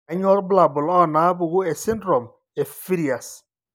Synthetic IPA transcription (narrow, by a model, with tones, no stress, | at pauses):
a˦ɲ˦ɔ˦lbla˨bʊ˨lɔ˦˨na˨a˦bʊ˨ɣʊ˦e˨sɪ˦n˦dɾɔ˨m | e˨fi˦ɾi˨a˨s